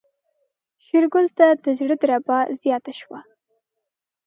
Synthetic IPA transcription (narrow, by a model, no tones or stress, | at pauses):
ʃɪɾɡʊlt̪ad̪əzɽəd̪ɾabɑzjɑt̪aʃwa